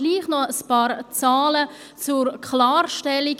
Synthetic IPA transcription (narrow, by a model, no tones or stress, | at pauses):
liːχnɔəspɑːɾt͡saːlə | t͡surkχlaːrʃtɛliɡ